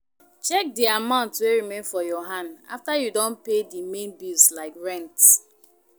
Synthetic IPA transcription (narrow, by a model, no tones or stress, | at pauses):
t͡ʃɛk̚diamãʊ̃ntweɹimẽnfɔjɔɦãnda̰ftajudõnpedimẽnbislaɪkɹɛ̃nt